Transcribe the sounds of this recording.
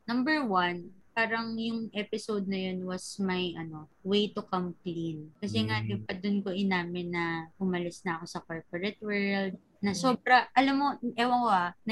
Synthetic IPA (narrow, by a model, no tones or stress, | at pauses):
nɐmbɛɹwɐnpaːɾɐŋjʊŋʔɛpɪsowd̪̚nɐjo̞nwɐsmɐjʔɐno̞wejt̪ʊkɐmklinkɐsɛŋalɪpɐd̪ʊnko̞ʔɪnaːmɪnːɐʔʊmɐlɪsnɐʔɐko̞sɐkoɹpoɹɛt̪̚wɛɹld̪̚ | nɐso̞b̚ɾɐʔɐlamːoʔɛːwɐŋkoʔanɐ